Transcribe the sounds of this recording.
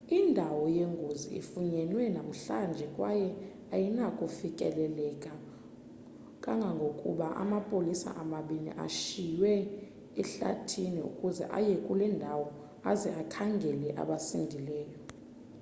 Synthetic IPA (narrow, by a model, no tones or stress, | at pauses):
indʱawɔjeŋɡʱozḭḭfuɲɛnwɛnam̩ɬand͡ʒʱɛkʼwajɛ | ajinakʼufikʼɛ̰lɛlɛkʼa | kʼaŋɡʱaŋɡʱokʼṵɓaʔa̰mapʼolisa̰ʔamaɓinḭʔa̰ʃijwɛ | ɛɬa̰tʰiniṵkʼuzɛ̰ʔa̰jɛkʼulɛndʱawɔ | azɛʔakʰaŋɡʱɛlɛʔa̰ɓasindʱilɛːjɔ